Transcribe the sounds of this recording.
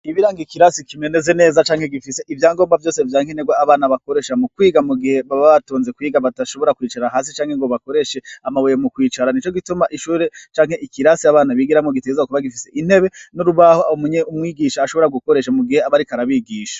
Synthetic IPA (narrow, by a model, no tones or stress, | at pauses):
iβiɾaːŋɡikiɾasikime̞nezene̞ːzat͡ʃaːŋhe̞ɡifise̞ʔivjaːŋɡo̞ːmbavjo̞ːsevjaːŋheneɡwaːβaːnaβako̞ɾe̞ːʃamukwiːɡamuɡihe̞βaβaβatoːnze̞kwiːɡaβataʃo̞βo̞ɾakwiːt͡ʃaɾaɦaːs̬it͡ʃaːŋheŋɡo̞βako̞ɾe̞ʃe̞amaβojemukwiːt͡ʃaɾanit͡ʃo̞ɡitumaʔiʃuːɾe̞t͡ʃaːŋ̥he̞ʔikiɾasiaβaːnaβiːɡiɾamŋoɡitezakuβaɡifise̞ʔin̥he̞βe̞nuɾuβahoomuɲeumŋiːɡiʃaːʃo̞βo̞ɾaɡuko̞ɾe̞ʃamuɡiheaβaɾikaɾaβiːɡiːʃḁ